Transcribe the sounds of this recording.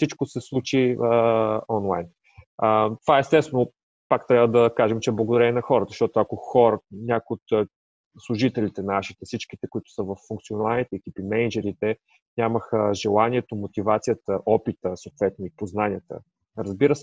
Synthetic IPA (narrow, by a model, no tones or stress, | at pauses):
fsit͡ʃkosɛslˠut͡ʃiəɔnlˠa̰jn | ət̪ovaɛst̪ɛst̪ɛno | pakt̪ɾʲavəd̪ɐkaʒɛmt͡ʃɛblˠəɡod̪ɐɾɛɛnɐxɔɾət̪əʃt̪ɔt̪ʊɐkoxɔɾənʲakoiot̪ː | slˠuʒit̪ɛlit̪ɛnaʃit̪ɛfsit͡ʃkit̪ɛkʊit̪ʊ̥səvɐfːuŋkt̪sionalˠnit̪ɛɛkipimɛnd͡ʒɛɾit̪ɛ | nʲaməxəʒɛlˠaniɛt̪omot̪ivat̪sijət̪əʔɔpit̪əsoːt̪vɛt̪noipoznanʲiət̪ə̰ | ɾəzbiɾəsɛ